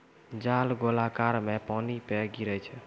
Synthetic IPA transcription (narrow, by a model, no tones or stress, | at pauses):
d͡ʒalɡolakaɾmepanipeɡiɾət͡ʃʰɛ